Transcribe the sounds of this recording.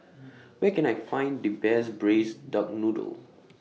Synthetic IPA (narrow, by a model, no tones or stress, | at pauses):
wɛkɛ̃najfãɪ̃ndibɛsbɹesdɔk̚nudə̰l